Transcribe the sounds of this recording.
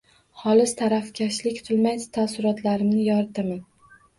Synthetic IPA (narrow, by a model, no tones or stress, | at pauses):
hɒlɪst̪ʰaɾafkʲʰaʃlɪkʲt̪ʰʊlˠmaj̪t̪ʰasʊɾɒt̪ʰlaɾɪmnɪjɒɾɪt̪ʰaman